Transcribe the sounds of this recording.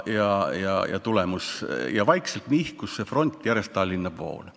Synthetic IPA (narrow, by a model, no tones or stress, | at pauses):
jɑjɑ̰jɑ̰t̪ulemusjɑvɑjkse̞lt̪mihkussefro̞nʲt̪ˑjæɾe̞st̪ɑlʲːinːɑb̥vo̞̰ːl